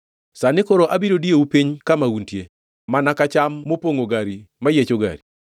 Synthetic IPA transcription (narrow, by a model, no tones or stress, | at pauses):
sanɪkoɾoʔabiɾodieupiɲkamauntje | manakat͡ʃamːopoŋoɡaɾimajet͡ʃoɡa̰ɾi